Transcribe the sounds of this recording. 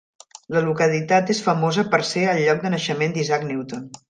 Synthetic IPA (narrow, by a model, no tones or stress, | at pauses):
ləlukəlit̪at̪esfəmozəpəɾseəlˠʎɔk̚d̪ənəʃəmend̪izakniwt̪on